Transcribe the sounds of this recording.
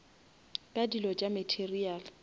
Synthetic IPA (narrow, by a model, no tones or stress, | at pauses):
kʼadilɔt͡ʃʼamɛtʰerial